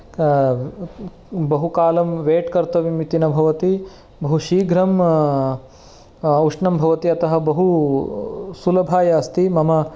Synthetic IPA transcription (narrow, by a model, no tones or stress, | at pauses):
bɐɦukaːlɐmʋeːʈkɐɾt̪ɐʋimit̪inɐbʱɐʋɐt̪i | bɐɦuʃiːɡʱɾɐm | uʂɳɐmbʱɐʋɐt̪iɐt̪ɐɦɐbɐɦu | sulɐbʱaːjaɐst̪imɐmɐ